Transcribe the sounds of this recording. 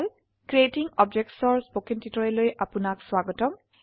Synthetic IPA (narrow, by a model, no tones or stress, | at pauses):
l | kɹietiŋɔb̚d͡ʒɛk̚tsɔɹsbokintitɔɹɛlojʔapunakswaɡɔtɔm